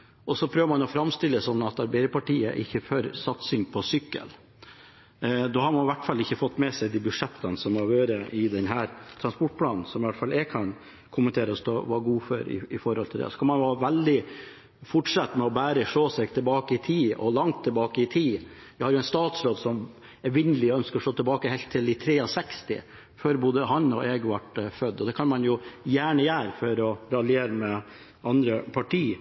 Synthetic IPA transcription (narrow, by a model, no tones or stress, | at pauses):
ʔɔsɔpʰɾøːʋəɾmɑnɔfɾɑmst̪ɪlːəsɔnːɑt̪ɑɾbæɪpɑʈiːə̰ʔɪ̰çːəfœɾsɑt̪sɪŋpʰɔsʏkːə̰l | d̪oːhɑɾmɑnɪʋæʈːfɑlːɪçːəfɔt̪ːmɛsɛɪd̪iːbʉʂɛt̪ʰːənsɔmɑjøːɾəʔɪd̪ɛnɦæːɾt̪ʰɾɑnspɔʈ̚ːpʰlɑːnn̩sɔmɪʋæʈfɑlːɛkʰɑn | kʰʊmənt̪ʰeːɾəɔst̪oʋɑɡuːfœɾɪ̰ɪfɔɾhɔlt̪ʰɪld̪ɛ̰ɔsɔ̥kʰɑnmɑnjɑːʋæld̪ɪ | fʊʈʂɑt̪ːmɛɔbæːɾəʂoːsɛɡt̪ʰɪlbɑːkəɪt̪ʰiːɔlɑŋt̪ʰːɪlbɑːkəɪt̪ʰiː | ʋɪhɑɾjʊɛɪnst̪ɑːt̪sɾoːd̪sɔm | ɛʋɪnːəlɪɔœnskəɾɔʂɭoːt̪ʰɪlbɑːkəhɛlt̪ʰːɪlɪt̪ʰɾeːɔsɛkst̪ɪ̰ | føːɾboːd̪əɦɑnɔ̰ʔeːɡʋɑʈfœd̪ːɔd̪ɛkʰɑnmɑnjʊjæːɳəjæːɾfɔɾɔɾɑlɪeːɾəmɛ | ɑnd̪ɾəpʰɑʈʰiː